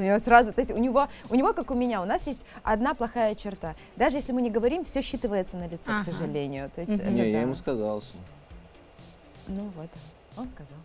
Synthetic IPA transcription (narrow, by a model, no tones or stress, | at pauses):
ʊnʲɪvosɾazʊt̪o̞ɪsʲtʲʊnʲɪvo̞ʊnʲɪvo̞kakʊmʲɪnʲaʊnasjesʲtʲɐ̰d̪naplˠɐxajət͡ɕɪrt̪a | d̪aʐɨjesʲlʲɪmɨnʲɪɡəvɐɾʲimfsʲɵɕːit̪ɨvəjɪt̪sənəlʲɪt̪sɛksəʐɨlʲenʲɪjʊt̪o̞jɪsʲtʲɛ̰nʲjajɪmuskɐzalˠsʲ | nuvo̞t̪ | o̞nskɐzalˠ